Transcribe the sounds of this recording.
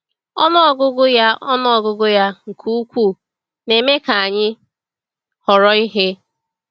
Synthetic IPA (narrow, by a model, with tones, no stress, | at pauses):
ɔ˦nɔ˦˨ɡʊ˦ɡʊ˦ja˦ɔ˦nɔ˦ɔ˨ɡʊ˦ɡʊ˦ja˦ŋ̩˨kʰu˦kʷu˦˨ | ne˨me˦ka˨a˨ɲɪ˦ | hɔ˨ɾɔ˨i˦ɦe˦